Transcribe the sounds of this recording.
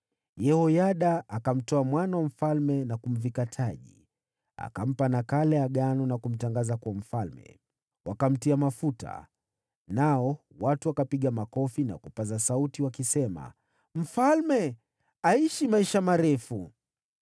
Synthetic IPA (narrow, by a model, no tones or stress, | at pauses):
jɛhɔjaɗaakam̩tɔamwanawam̩falmɛnakum̩vikatʰaʄi | a̰kam̩panakalɛaɠanɔnakum̩taŋɡazakuam̩falmɛ̰ | wakam̩tiamafuta̰ | naɔ | watuakapiɠamakɔfina̰kupazasautiwakisɛma̰ | m̩falmɛ | aiʃimaiʃamaɾɛfu